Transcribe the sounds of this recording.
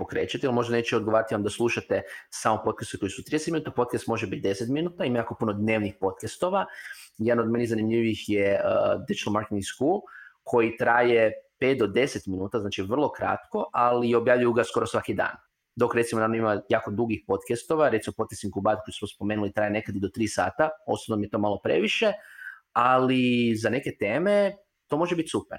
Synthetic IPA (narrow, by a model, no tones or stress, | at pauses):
po̞kɾe̞ːt͡ɕat̪ialmo̞ʒd̪ane̞ːt͡ʃeo̞d̪ɡoʋaːɾat̪iʋamd̪aslˠuʃat̪esaːmopo̞t̪̚kast̪ekojsut̪ɾid̪eset̪minuːt̪apo̞t̪̚kast̪mo̞ʒebit̪̚d̪e̞set̪minuːt̪aimajaːko̞punod̪ne̞ːʋnixpo̞t̪̚kast̪o̞ʋajed̪no̞d̪me̞nizanimʎiʋixjeəd̪id͡ʒi̥t̪almaɾket̪iŋskulkʰo̞jit̪ɾaːjepeːt̪̚d̪o̞d̪e̞set̪minuːt̪aznaːt͡ʃiʋr̩lˠo̞kɾa̰t̪koʔalio̞bjaːʋʎujuɡasko̞ɾosʋakid̪a̰ːn | d̪o̞kɾe̞t̪simo̞nanoimajaːko̞d̪uɡixpo̞t̪kest̪o̞ʋaɾet̪simopo̞t̪̚kesimkubat̪kojusmospo̞meːnulit̪ɾaːje̞ne̞kad̪id̪o̞t̪ɾiːsa̰ːt̪ao̞̰sot̪nomijet̪o̞malˠo̞pɾe̞̰ʋiʃe̞ | alizane̞ke̞t̪eːme̞ | t̪o̞ːmo̞ʒebit̪ʲsupeɾ